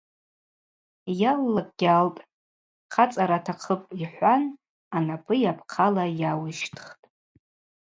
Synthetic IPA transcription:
jalːakʼɡʲaltʼ | qʰat͡sʼaɾatʰaqʰəpʼiħʷan | anapʰʼɨjapʰqʰalajawɨʃtʰχtʼ

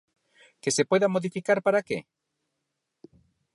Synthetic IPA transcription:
kesepweðamoðifikaɾpaɾakḛ

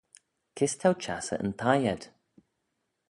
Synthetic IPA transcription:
kʰɪst̪ʰawt͡ʃʰa̰sə̰ʔə̰nt̪ʰajɛd̥

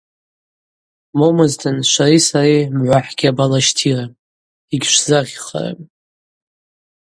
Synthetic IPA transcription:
momɨztʰɨnʃʷarisarimʕʷaħɡʲabalaʃtʰira | iɡʲʂzaʁʲχa̰ra̰tʼ

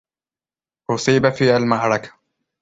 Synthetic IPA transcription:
ʔʊsˤiːbafiːalmaʕɾˤɑkḁ

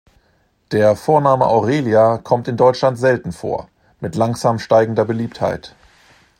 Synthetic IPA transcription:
d̥eːɐfoːɐnaːməʔaʊʁeːljakʰɔmtɪndɔʏt͡ʃlantz̥ɛltn̩fo̰ːɐ | mɪtlaŋz̥aːmʃtaɪɡŋ̩dɐbəliːptha̰ɪt

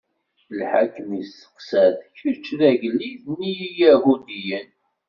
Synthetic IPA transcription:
lħa̰kːəmisə̥qsæðçəɾt͡ʃːðæʝəlːiðnijijæɦud̪ijən

